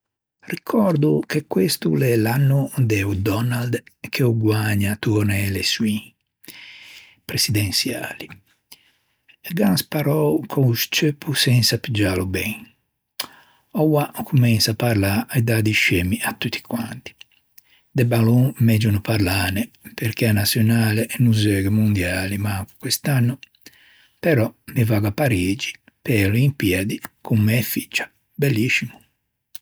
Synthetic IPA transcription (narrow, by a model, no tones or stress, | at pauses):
rikʰɔɾd̪ukekːwest̪ṵlɛlanːud̪ɛud̪ɔnald̪kʰeuɡwaɲːat̪unɛleswi | pɾesid̪ɛnsja̰ːli | eɡanspaɾɔwkʰoust͡ʃøpʰːusɛnsapid͡ʒaːlubɛ̃ŋ | ɔwakʰumɛnsapaɾlaʔɛd̪ad̪iʃemiʔat̪ːut̪ʰːi̥kwant̪i̥ | d̪ɛbalumɛd͡ʒunupaɾlanɛpɛɾk̟ɛanasjɔnaːlɛʔɛnuzɛɡɛmund̪jaːlimaŋku̥kwɛst̪anːu | pɛɾɔmivaɡapːaɾiːd͡ʒi̥ | pɛlimpjɛd̪ikʰumːɛɛfi̥t͡ʃːḁ | bɛlːisimu